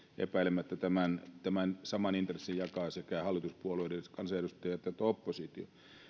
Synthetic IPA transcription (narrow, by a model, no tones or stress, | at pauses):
ḛpæilemæt̪ːæt̪æmænt̪æmænsɑmɑnint̪resːijjɑkɑːˑsekæhɑlːˑit̪uspuolueˑidekɑnsɑjeɾust̪ɑjɑt̪jɑt̪opːosit̪jo̰